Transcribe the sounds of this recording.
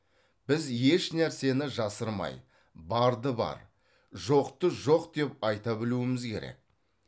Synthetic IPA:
b̥ɪzje̞ʃnæɾse̞nɪʒɑsəɾmɑ̰j | bɑɾd̪əbɑ̰ɾ | ʒo̞qt̪əʒo̞qd̪e̞p̚ɑjt̪ɑbɪluɪmɪzkʲʰe̞̰ɾe̞̰k̚

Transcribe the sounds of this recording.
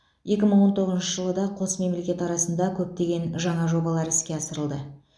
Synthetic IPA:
je̞kʲɪməɴwo̞nt̪ʰo̞ʁəznʃəʒəlˠəd̪ɑqʰo̞sme̞mle̞kʲe̞t̪ɑɾɑsənd̪ɑkʲʰɵp̚t̪e̞ɡʲe̞nʒɑɴɑʒo̞bɑlˠɑɾɪskʲe̞ɑsəɾəlˠd̪ə

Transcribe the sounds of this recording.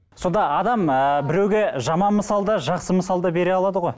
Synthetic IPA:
so̞nd̪ɑɑd̪ɑməbɪɾe̞wɡʲeʒɑmɑnməsɑlˠd̪ɑʒɑqsəməsɑlˠd̪ɑbe̞ɾeɑlˠɑd̪əʁo̞j

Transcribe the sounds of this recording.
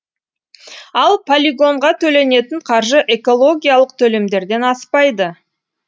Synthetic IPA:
ɑlˠpʰolʲiɡo̞ɴʁɑt̪ʰɵle̞ne̞t̪ɪɴqʰɑɾʒəʔe̞ko̞lˠo̞ɡʲijalˠəq̚t̪ʰɵle̞md̪e̞ɾd̪e̞nɑspɑjd̪ə

